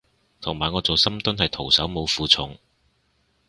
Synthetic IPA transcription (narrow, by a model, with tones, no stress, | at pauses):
t̪ʰʊ˨˩ŋmaː˨˩jŋɔː˨˧t͡so˨˧wsɐ˥mt̪ʊ˥nhɐ˨jt̪ʰo˨˩wsɐ˨˥wmo˨˧wfuː˨˧t͡sʰʊ˨˥ŋ